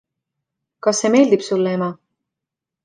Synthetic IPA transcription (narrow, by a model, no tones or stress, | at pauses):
kɑsːe̞ːme̞ːld̪ipsulːee̞mɑ